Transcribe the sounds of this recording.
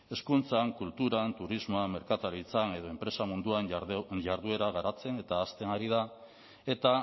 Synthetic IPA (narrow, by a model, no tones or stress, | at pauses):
e̞skunt͡saŋkult̪uɾant̪uɾizmoame̞ɾkat̪aɾit͡sane̞ðo̞e̞mpɾe̞samund̪uanʝaɾð̞ue̞ɾaɣ̞aɾat͡se̞ne̞t̪aːst̪e̞naɾiða | e̞t̪a